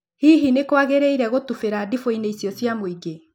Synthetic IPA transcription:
hiɦinekwaɣeɾeiɾɛɣotufeɾadifoineisjɔsjamoiɡe

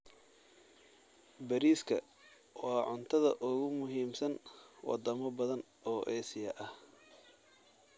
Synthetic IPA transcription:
bɐɾiːskʰɐ | wɑːʕʊnt̪ʰɐðɐʔʊɣʊmʊɦiːmsɐnwɑ̰d̪ɐmɐbɐðɐn | ɔːʔɛːsɪjɐʔɐh

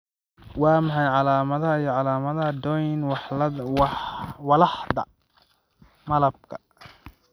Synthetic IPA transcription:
wɑːmɑħɑjʕɑlaːmɐðɐɦɐijɔʕɑlaːmɐðɐɦɐd̪ɔjnwwwɑlɑħd̪ɐ | mɐlɐb̚kʰɐ̥

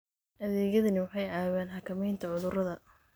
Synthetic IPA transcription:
ɐðɛːɣɐðɐnɪwɑħɑjʕaːwɛːnħɑkʰɐmɛjnt̪ʰɐʕʊðʊɾɐðɐ

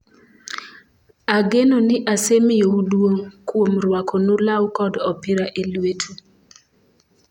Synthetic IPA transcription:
aɡenonɪʔasemɪjoudwoŋkwomɾwakʰonulawkɔdɔpɪɾaʔelwetʰu

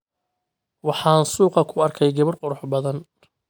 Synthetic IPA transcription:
wɑħɑːnsuːqɑkʰʊɐrkʰɛjɡɐβɐrqʊɾʊħbɐðɐn

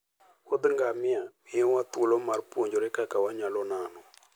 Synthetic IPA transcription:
od̪ŋɡamɪamɪowat̪wolɔmarpwoɲd͡ʒɔɾɛkakawaɲalɔnanɔ

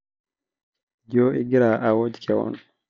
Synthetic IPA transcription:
d͡ʒoːʔiɡiɾaʔawod͡ʒi̥kʰɛwɔ̰n

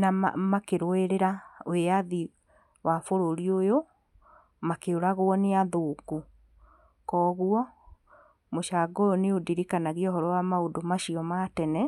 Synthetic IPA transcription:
nama̰makeɾoeɾeɾaoeaði | wafoɾoɾiojo | makeoɾaɣoɔneaðoːku | kɔːɣuɔ | moʃaːɡoɾoneodiɾikanaɣiɔɦɔɾɔwamaodomaʃiɔmatɛnɛ

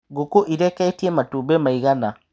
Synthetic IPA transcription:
ɡokoʔiɾɛkɛitiɛmatobɛmaiɣana

